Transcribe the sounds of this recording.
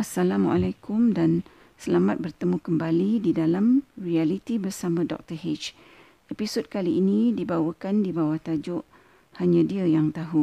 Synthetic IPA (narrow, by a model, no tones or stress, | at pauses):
asalamwa̰lakʊmdan | səlamat̪̚bərt̪əmũkəmbalididalamrialit̪ibərsamə̃dɔ̰k̚t̪əhet͡ʃ | episod̚kaliʔːnĩdibawəkandibawaht̪ad͡ʒʊʔ | haɲãdiəjaŋt̪aɦu